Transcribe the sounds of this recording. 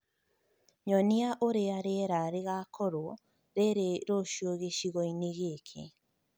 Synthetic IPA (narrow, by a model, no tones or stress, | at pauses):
ɲɔniaʔoɾeaɾeɾaɾeɣakʰɔɾwɔ | ɾeɾeɾoʃoɣeʃiɣɔineɣekʰḛ